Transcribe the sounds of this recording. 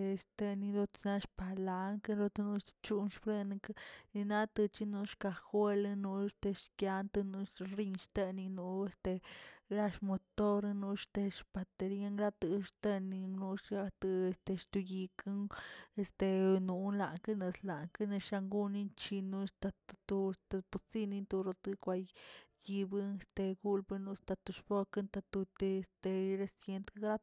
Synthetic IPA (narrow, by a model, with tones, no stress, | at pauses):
e˧st̪e˧ni˧d̪o˧na˧ʃpa˧la˧ŋkɨ˦ɾo˧t̪nu˧˦ʃt͡ʃu˦nʃfɾe˦˧n˧kni˧na˦t̪ɨ˧t͡ʃi˧nu˧ʃka˧xwe˦lnu˧e˧st̪e˧ʃkja˧nt̪ɨ˧nu˧ɾi˧nʃt̪e˧ni˧nu˧e˧st̪e˧ɾa˧ʃmo˧t̪o˦ɾnu˧ʃt̪e˧ʃpa˧t̪e˧ɾi˦a˦ŋɾa˦t̪ɨ˧ʃt̪e˧ni˧nu˧˦ʃa˧t̪ɨ˧e˧st̪e˧ʃt̪u˧ji˧kɨ˦ŋe˧st̪e˧nu˧la˨kɨ˦ne˧sla˨ŋkɨ˦ne˧ʃa˧ŋɡu˦ni˦nt͡ʃi˧nu˧˦st̪a˧t̪t̪u˧st̪a˧pu˧t͡si˦ni˧nt̪u˧ɾo˧t̪ɨ˦kʷa˧jji˧bɨ˦e˧st̪e˧ɡu˦lbɨ˧nu˧st̪a˧t̪u˧ʃpo˦kɨ˦nt̪a˧t̪u˧t̪e˧˨st̪e˧ɾe˧sje˧nt̪kɡɾa˦